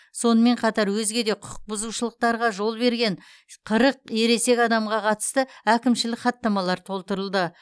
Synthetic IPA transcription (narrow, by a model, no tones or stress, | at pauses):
so̞nəme̞ɴqʰɑt̪ɑɾwɵzɡʲe̞d̪e̞qʰʊq̚bʊzuʃəlˠəq̚t̪ɑɾʁɑʒo̞lˠbe̞ɾɡʲe̞ɴ | qʰəɾəq̚e̞ɾe̞se̞kʲɑd̪ɑmʁɑqʰɑt̪ə̥st̪əækʲɪmʃɪlɪkχɑt̪ːɑmɑlˠɑɾt̪ʰo̞lˠt̪əɾəlˠd̪ə